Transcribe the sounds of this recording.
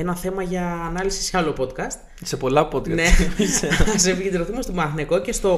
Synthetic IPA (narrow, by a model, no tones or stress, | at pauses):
enɐθe̞mɐʝɐːnɐlisi̥seɐlo̞po̞t̪kɐst̪ | sepo̞lɐpod̪kɐneiseɐs̬epiʝed̪ɾoθumest̪omɐxneko̞ce̞st̪o̞